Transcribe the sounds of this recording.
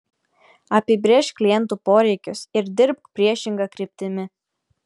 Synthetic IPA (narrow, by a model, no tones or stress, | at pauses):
ɐpʲɪbʲɾʲeːʃklʲɪjɛnt̪uːpoːɾʲɛɪkʲʊsɪɾd̪ʲɪɾp̚kpʲɾʲiɛʃʲɪŋɡɐkɾʲɪp̚ʲt̪ʲɪmʲɪ